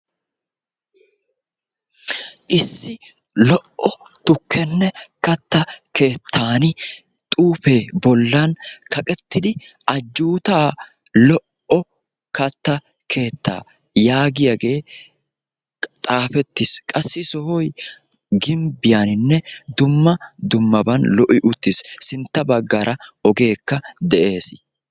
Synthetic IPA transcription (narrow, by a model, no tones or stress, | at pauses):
ʔɪsːɪ | lɔʔɔt̪ʊkʰːɛnːɛkɐt̪ːɐke̞ːt̪ʰːaːnɪ | t̪ʼuːfeːbɔlːɐnkɐkʼɛt̪ːɪd̪ɪ | ʔɐd͡ʒːuːt̪aː | lɔʔɔ | kɐt̪ːɐ | kʰe̞ːt̪ːa̰ː | jaːɡɪjaɡe̞ː | t̪ʼaːfɛt̪ːɪskʼɐsːɪsɔhɔj | ɡɪmbɪjanɪnːɛd̪ʊmːɐd̪ʊmːɐbɐnlɔʔɪʔʊt̪ːɪsːɪnt̪ːɐbɐɡːɐɾʔɐɔɡe̞ːkːɐd̪ɛʔe̞ːs